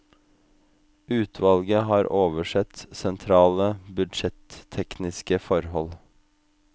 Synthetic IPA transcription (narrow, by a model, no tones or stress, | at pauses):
ʉːt̪ʰʋɑlɡəhɑːɾʔoːʋəʃɛt̪sɛnt̪ʰɾɑːləbʉd̪ʃɛt̪ʰːɛknɪskəfɔɾhɔl